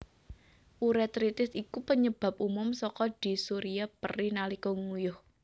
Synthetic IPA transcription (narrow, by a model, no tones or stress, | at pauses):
ʔuɾɛt̪ɾit̪ɪsikupəɲəb̥a̤p̚umʊmsɔkɔd̪̥i̤suɾiapə̰rinalikɔŋujʊh